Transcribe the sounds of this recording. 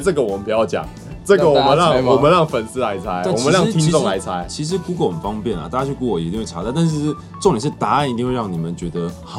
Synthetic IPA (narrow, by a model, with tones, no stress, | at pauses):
ʈ͡ʂɤ˥˩ɡə˩wɔ˨˩mə˧˦mpu˧˦jɑ˥˩ʊt͡ɕjɑ̰˨˩ŋ | ʈ͡ʂə˥˩ɡə˨˩wɔ˨˩mə˧˦nɻɑ˥˩ŋwɔ˨mə˦nɻɑ˥˩ŋfə˨˩nsɹ̩˥la˧˥ɪt͡sʰa˥ɪ˥˩wɔ˨mə˧˦nɻɑ˥˨ŋt̪ʰi˥ŋ˥ʈ͡ʂʊ˥˨ŋla̰˧˦ɪt͡sʰa˦˥ɪt͡ɕʰi˧˥ʂ̬ɻ̩˧˥ku˧˥ko˨˩ʊxə˨˩nfɑ˥ŋpjɛ˥˩nlɐ̰˨˩t̪a˥˩t͡ɕja˥t͡ɕʰy˥˩ku˧˥ki˧˥i˥˧ŋwe˥˩a˧˥t̪t̪a˥˧nʂ̬ɻ̩˥˧ | ʈ͡ʂo˥˧ŋljʂɻ̩˥˩t̪a˧˥a˥˨ni˧t̪i˥˧ŋxwe˥˧ɻɑ˥˩ŋni˨˩mə˦nt͡ɕɥɛ˧˥d̪ə˧ | x